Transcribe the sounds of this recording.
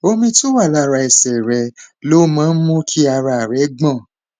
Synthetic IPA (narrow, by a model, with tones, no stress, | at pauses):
o˧mĩ˧tu˦wa˦˨la˦˨ɾa˧ɛ˨sɛ˨ɾɛ˧lo˦mãː˦n̩˦mũ˦kʰi˦a˧ɾa˧a˨ɾɛ˨˦ɡ͡bɔ̃˦˨